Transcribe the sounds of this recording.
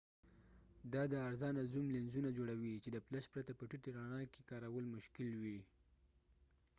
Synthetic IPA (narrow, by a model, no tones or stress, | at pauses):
d̪ɑd̪əaɾzɑnazumlɪnzunad͡ʒoɽawit͡ʃed̪əplaʃpɾat̪apəʈiʈeɾɑnɑkekɑɾawəlmʊʃkɪlwi